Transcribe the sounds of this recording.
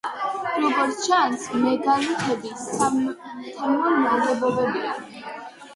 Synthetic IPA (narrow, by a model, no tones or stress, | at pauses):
ɾɔbɔɾt̪t͡ʃʰansmɛɡ̪alitʰɛbi | t̪ʰamɔɾmad̪ɛbɔbɛbia̰